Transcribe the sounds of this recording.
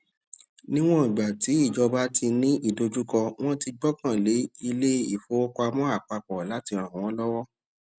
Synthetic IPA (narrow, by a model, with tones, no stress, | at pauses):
nĩ˦w̃ɔ̃˦i˨ɡ͡ba˨ti˨˦i˦˨d͡ʒɔ˧ba˦tʰi˧nĩ˦ʔi˦˨do˧d͡ʒu˦kɔ˧w̃ɔ̃˦ti˧ɡ͡bɔ˦kã˦˨le˨˦i˧le˦ḭ˦˨fo˨˦o˦kɔ˦˧a˧mɔ̃˦a˦˨k͡pa˧k͡pɔ˨la˨˦ti˧ã˨wɔ̃˦lɔ˦wɔ˦